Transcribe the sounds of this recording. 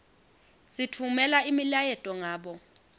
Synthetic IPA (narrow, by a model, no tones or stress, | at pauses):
sitʰumɛlaimilajɛtʼɔŋaːɓɔ